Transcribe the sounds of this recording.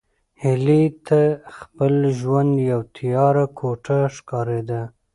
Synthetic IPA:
hɪlit̪ʰaxpəlʒwand̪jawt̪ʰijɑɾakʰoʈaʃkɑɾed̪a

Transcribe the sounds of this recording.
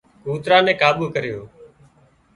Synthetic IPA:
ɡʱuːt̪ɾaːnɛ̃ːkaːɓuːkəɾɪjoː

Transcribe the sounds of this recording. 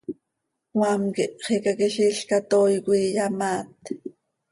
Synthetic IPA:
wamkiʔχikakɛʃiːɬkat̪oːjkʷiːjamaːt̪̚

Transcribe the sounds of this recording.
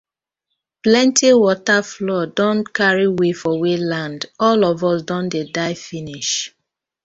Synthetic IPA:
plɛ̃ntʰiwɔtaflɔdɔ̃ntkaɹiwefɔwelãndɔlɔvɔsdɔ̃ndedaɪfiniʃ

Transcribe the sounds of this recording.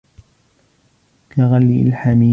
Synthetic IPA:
kaɣalːilħamiː

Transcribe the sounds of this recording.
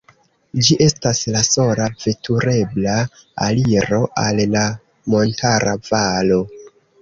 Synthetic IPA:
d͡ʒiʔe̞staslaso̞lave̞tuɾe̞bla | aliɾo̞ʔalla | mo̞ntʰaɾavalo̞

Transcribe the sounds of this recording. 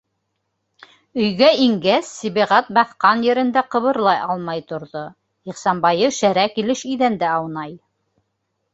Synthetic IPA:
ɵ̆jɡæiŋɡæsːiβiʁɑt̪̚bɑθqɑnjɘ̆ɾɘ̆nd̪æqɤ̆βɤ̆ɾlˠɑjɑlˠmɑjt̪ŏɾðo | iqsɑmbɑjɤʃæɾækilɘʃĭjðænd̪æɑwnɑj

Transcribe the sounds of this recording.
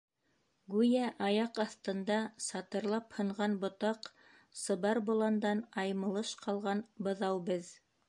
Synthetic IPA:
ɡʉjæʔɑjɑqɑθt̪ɤ̆nd̪ɑsɑt̪ɤ̆ɾlˠɑphɤ̆ɴʁɑnbŏt̪ɑq | sɤ̆βɑɾbŏlˠɑnd̪ɑnɑjmɤ̆lˠɤʃqʰɑlˠʁɑnbɤ̆ðɑwbɘð

